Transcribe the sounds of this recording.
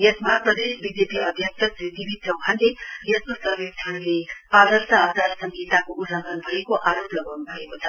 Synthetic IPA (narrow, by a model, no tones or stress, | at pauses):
jesmaprʌd̪esbid͡zepiʌd̪ʱjʌksʰʌsɾit̪ibit̪ʰʌwkʰand̪ejeskosʌɾbet̪ʰañulead̪ʌrt̪aːt͡saɾsʌŋɡʱit̪akoʔullʌŋɡʱʌnbʱʌekoʔaɾoplʌɡawnubʱʌekot͡sʰʌ